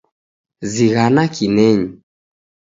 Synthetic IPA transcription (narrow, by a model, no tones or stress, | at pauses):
ziɣanakʰinɛɲi